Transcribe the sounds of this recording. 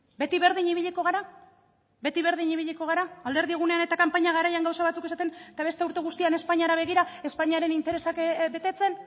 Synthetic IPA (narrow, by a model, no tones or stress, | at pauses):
be̞t̪iβe̞ɾðiɲiβ̞iʎiko̞ɣ̞aɾa | be̞t̪iβe̞ɾðiɲiβiʎiko̞ɣ̞aɾaːld̪e̞ɾðieɣ̞une̞ane̞t̪akampaɲaɣ̞aɾajaŋɡawsaβat͡suke̞sat̪e̞net̪aβe̞st̪euɾt̪e̞ɣ̞ust̪iane̞spaɲaɾaβ̞e̞ɣiɾae̞spaɲiaɾe̞nint̪e̞ɾe̞sakbe̞t̪e̞t͡se̞n